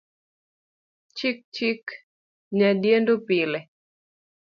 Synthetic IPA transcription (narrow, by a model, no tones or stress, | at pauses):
t͡ʃik̚t͡ʃik | ɲadjendopilɛ